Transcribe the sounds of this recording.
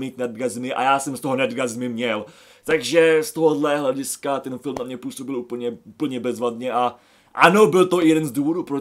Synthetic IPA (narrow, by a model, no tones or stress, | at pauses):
miːt̪nad̚ɡazmɪʔa̰jaːsɛmst̪oɦonad̪ɡazmɪmɲɛl | t̪aɡʒɛst̪o̞ɦodlɛɦlɛɟɪskat̪ɛnfɪlmnamɲɛpuːso̞bɪluːpl̩ɲɛuːpl̩ɲɛbɛzvadɲɛʔa | ʔanobɪlt̪o̞ɪjɛdɛnzduːvo̞duːpɾo